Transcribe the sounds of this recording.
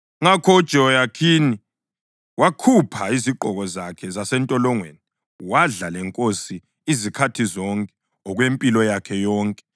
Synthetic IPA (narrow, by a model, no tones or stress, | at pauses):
ŋakʰɔd̥ʒ̥ʱɔjakʰini | wakʰupʰaiziǃʱɔɣɔzakʰɛzasɛntʼɔlɔŋwḛni | waɮalɛŋkʼosi | izikʰatʰizɔŋkʼɛ̥ | ɔɣwempʼilɔjakʰɛjɔːŋkʼɛ